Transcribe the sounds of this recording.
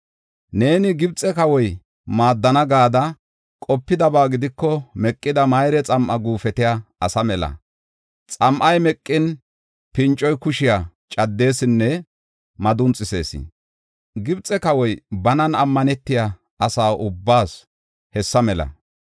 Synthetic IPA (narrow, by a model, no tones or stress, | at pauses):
ne̞ːnɪɡɪbt͡sʼɛkɐwɔj | maːd̪ːɐnɐɡaːd̪ɐ | kʼɔpːɪd̪ɐbaːɡɪd̪ɪkːɔmɛkʼːɪd̪ɐmɐjɾɛt͡sʼɐmʔɐɡuːfɛt̪ɪjaːsɐmɛlɐ̰ | t͡sʼɐmʔɐjmɛkʼːɪn | pɪnt͡ʃʼːɔjkʊʃɪja | t͡ʃʼɐd̪ːe̞ːsɪnːɛ | mɐd̪ʊnt͡sʼːɪse̞ːsɪ̰ | ɡɪbt͡sʼːɛkɐwɔjbɐnɐnɐmːɐnɛt̪ːɪja | ɐsaːʔʊbːaːs | hɛsːɐmɛlɐ̰